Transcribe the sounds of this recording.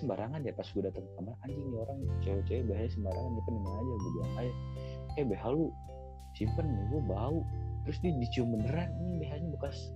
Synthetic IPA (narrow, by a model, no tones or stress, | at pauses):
səmbaɾʔaŋaniapasɡudat̪aŋkamaraɲd͡ʒɪŋioɾaŋt͡ʃawɛt͡ʃawɛbeɦaɲasəmbaɾaŋanapənamanad͡ʒaɡudia̰kajakajabeɦalu | simpənmaɡuabaut̪əɾʊsdidit͡ʃiuməndəɾanɲibeɦaɲabəkas